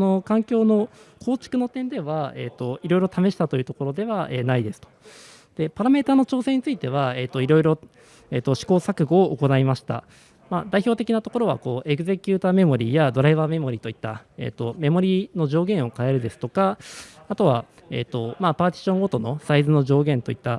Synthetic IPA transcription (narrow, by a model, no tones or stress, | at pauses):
no̞kãŋkʲo̞ːno̞kʰo̞ːt͡ɕi̥kɯ̟no̞t̪ẽ̞nd̪e̞βae̞ːt̪ːo̞iɾo̞iɾo̞t̪ame̞ɕi̥t̪at̪o̞jiɯ̟ːt̪o̞ko̞ɾo̞d̪e̞βaeːnaid̪e̞sɨ̥t̪o̞̥ | d̪̥e̞paɾame̞ːt̪aːno̞t͡ɕo̞ːse̞ɲ̟it͡sɨit̪e̞βae̞ːt̪ːo̞iɾo̞iɾo̞ | eːt̪ːoɕi̥ko̞ːsakɯ̟ɡo̞ːʔːko̞naimaɕi̥t̪a̰ | mad̪aiço̞ːt̪e̞kʲinat̪o̞ko̞ɾo̞β̞a̰ko̞ːʔe̞ɡɯ̟ze̞kʲɯːt̪aːme̞mo̞ɾʲiːjad̪o̞ɾaiβame̞mo̞ɾʲiːt̪o̞it̪ːae̞̰ːt̪ːo̞me̞mo̞ɾʲino̞ʑo̞ːɡẽ̞ɰ̃o̞kae̞ɾɯ̟d̪e̞sɨ̥t̪okaat̪o̞βa̰ | ḛːt̪ːo̞mapaːt̪ʲi̥ɕõ̞ŋot̪o̞no̞saizɨno̞ʑo̞ːɡẽ̞nt̪o̞it̪ːa